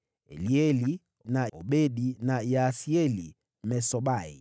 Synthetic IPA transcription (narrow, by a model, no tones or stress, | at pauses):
ɛ̰liɛli | naɔɓɛɗinajasiɛli | mɛsɔɓaḭ